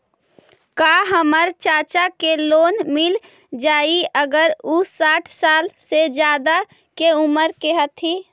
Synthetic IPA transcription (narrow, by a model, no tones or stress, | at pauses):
kaːɦəməɾt͡ʃaːt͡ʃakeloːnmɪl | d͡ʒaːiəɡəɾʊsaːʈʰsaːlsed͡ʒjaːd̪a | keʊməɾkeɦət̪ʰiː